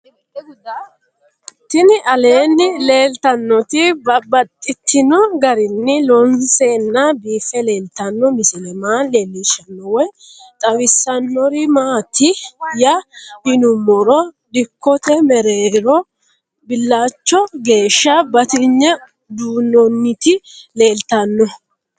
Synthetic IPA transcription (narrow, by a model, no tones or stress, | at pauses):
t̪ɪnɪʔɐle̞ːnːɪle̞ːlt̪ɐnːɔt̪ɪbɐbɐt̪ʼːɪt̪ʰːɪnɔɡɐɾɪnːɪlɔnseːnːɐbiːfɛle̞ːlt̪ɐnːɔmɪsɪlɛmaːleːlːɪʃɐnːɔwɔj | t̪ʼɐwɪsːɐnːɔɾɪmaːt̪ɪjɐhɪnʊmɔɾɔ | d̪ɪkːɔt̪ɛmɛɾeːɾɔ | bɪlːaːt͡ʃːɔɡe̞ːʃːɐbɐt̪ɪɲːɛ | d̪uːnːɔnːɪt̪ɪle̞ːlt̪ɐnːɔ